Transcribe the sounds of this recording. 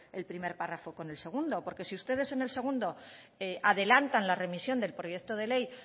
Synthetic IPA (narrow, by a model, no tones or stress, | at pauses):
e̞lpɾime̞ɾparafo̞ko̞ne̞lse̞ɣ̞und̪o̞po̞ɾke̞siust̪e̞ð̞e̞se̞ne̞lse̞ɣ̞und̪o̞ | eʔaðe̞lant̪anlare̞misjo̞nd̪e̞lpɾoje̞kt̪o̞ð̞e̞le̞j